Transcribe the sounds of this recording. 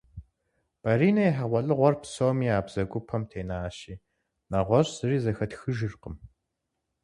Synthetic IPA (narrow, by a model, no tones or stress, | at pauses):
b̥ɐɾiːnɐjħaʁʷɔɬʼɨʁʷɔrpsowmiːaːbz̥ɐkʷʼʊpʰɐmtʰeːnaːɕiː | nɐʁʷɔɕz̥ɨriːzɐxɐtxɨʒɨrqəm